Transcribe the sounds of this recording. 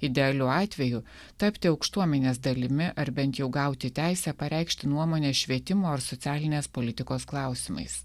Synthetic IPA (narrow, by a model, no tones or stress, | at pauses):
ɪd̪ʲɛɐlʲʊɑːt̪ʲʋʲɛjʊ | t̪ɐpʲt̪ʲɪɒʊkʃt̪uɔmʲɛnʲeːsd̪ɐlʲɪmʲɪʔɐɾbʲɛnt̪jɛʊɡɐˑʊt̪ʲɪt̪ʲæɪsʲɛːpɐɾʲɛˑɪkʃʲt̪ʲɪnuɔmoːnʲeːʃʲʋʲiɛt̪ʲɪmoːɐɾsɔt̪sʲæːlʲɪnʲeːspolʲɪt̪ʲɪkoːsklˠɑˑʊsʲɪmɐ̰ɪs